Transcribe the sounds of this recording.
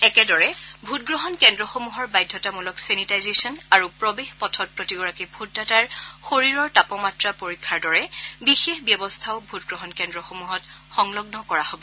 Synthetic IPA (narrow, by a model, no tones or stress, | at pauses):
ɛkɛdɔɹɛbʱut̚ɡɹɔɦɔnkɛndɹɔxomuɦɔɹbajdʱːɔtamulɔksenitajzesɔnaɹupɹɔbexpɔtʰɔt̚pɹotiɡɔɹakibʱut̚dataɹxoɹiɹɔɹtapɔmatɹapoɹikʰːaɹdɔɹɛbixexbjɔbɔstʰaʊbʱutɡɹɔɦɔnkɛndɹɔxomuɦɔtxɔŋlɔɡnɔkɔɹahobɔ